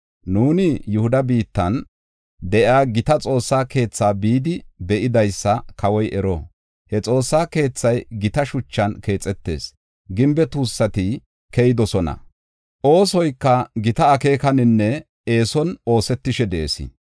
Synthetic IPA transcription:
nuːnɪjʊhʊd̪ɐbiːt̪ːɐn | d̪ɛʔaːɡɪt̪ɐt͡sʼo̞ːsːaːke̞ːt͡sːaːbiːd̪ɪbɛʔɪd̪ɐjsːɐkʰɐwɔjʔɛɾɔ | hɛt͡sʼo̞ːsːaːke̞ːt͡sːɐjɡɪt̪ɐʃʊt͡ʃːɐnke̞ːt͡sʼɛt̪ːe̞̰ːs | ɡɪmbɛt̪uːsːɐt̪ɪ | kejɪd̪ɔsɔnɐ̰ | ʔo̞ːsɔjkːɐɡɪt̪ɐːke̞ːkɐnɪnːɛ | e̞ːsɔno̞ːsɛt̪ːɪʃɛd̪eːsɪ̰

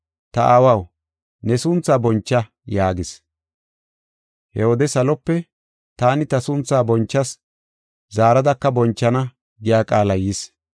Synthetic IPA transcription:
t̪ɐʔaːwɐw | nɛsʊnt͡sːaːbɔnt͡ʃːɐ | jaːɡɪs | hɛwɔd̪ɛsɐlɔpːɛ | t̪aːnɪt̪ɐsʊnt͡sːaːbɔnt͡ʃːɐs | zaːɾɐd̪ɐkːɐbɔnt͡ʃːɐnɐ | ɡɪjaːkʼaːlɐjis

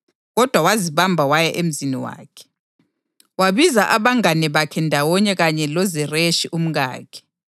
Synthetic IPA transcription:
ɣɔd̥ʱwawaziβambʱawajɛʔem̩ziniwa̰ːkʰɛ̥ | waβizaʔaβaŋanɛβakʰɛndʱawɔɲɛɣaɲɛlɔzɛreʃiʔum̩ɣa̰ːkʰɛ̥

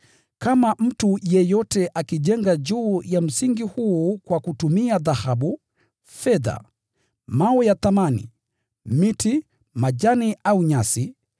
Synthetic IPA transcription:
kamam̩tujɛjɔtɛʔakiʄɛŋɡad͡ʒuːjam̩siŋɡihuːkwakutumiaðahaɓu | fɛða̰ | maɔjaθamanḭ | miti | maʄaniʔauɲasi

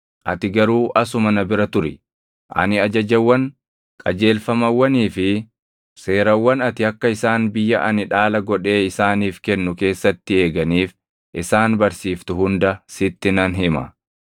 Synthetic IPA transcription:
ʔɐt̪ɪɡɐɾuːʔɐsʊmɐnɐbɪɾɐt̪ʊɾɪ | ʔɐ̰nɪɐd͡ʒɐd͡ʒɐwːɐn | kʼɐd͡ʒe̞ːlfɐmɐwːɐniːfɪ | se̞ːɾɐwːɐnɐt̪ɪɐkːɐɪsaːnbɪjːɐʔɐnɪᶑaːlɐɡɔᶑe̞ːɪsaːniːfkɛnːʊke̞ːsːɐt̪ːɪe̞ːɡɐniːf | ʔɪsaːnbɐɾsiːft̪ʊɦʊnd̪ɐsɪt̪ːɪnɐnɦɪmɐ̰

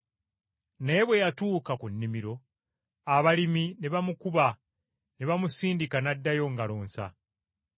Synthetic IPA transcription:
ne̞βwe̞jatuːkakunːimiɾo̞ | aβalimine̞βamukuβa | ne̞βamusiːndikanadːajo̞ŋɡalo̞ːnsa̰

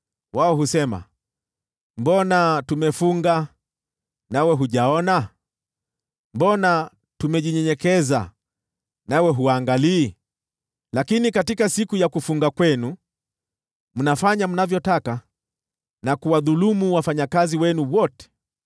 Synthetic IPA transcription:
waɔɦusɛma̰ | mbɔnatumɛfuŋɡa | nawɛɦuʄaɔna | mbɔna | tumɛʄiɲɛɲɛkɛza̰ | nawɛɦuwaːŋɡaliː | lakinikatikasikujakufuŋɡakwɛnu | m̩nafaɲam̩navjɔtaka | nakuwaðulumuwafaɲakaziwɛnuwɔtɛ̥

